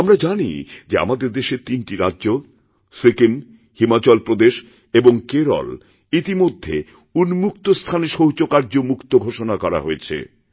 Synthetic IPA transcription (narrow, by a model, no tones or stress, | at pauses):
amɾad͡ʑanḭd͡ʑea̰mad̪eɾd̪eʃet̪inʈiɾadːʑo | sekin | himat͡ɕɔlpɾod̪eʃ | eboŋkeɾɔ̰l | it̪imod̪ʱːḛ | unmukt̪ost̪ʰaneʃoɦt͡ɕokaɾd͡ʑomukt̪oɡʱoʃonakɔɾa̰ɦoet͡ɕʰḛ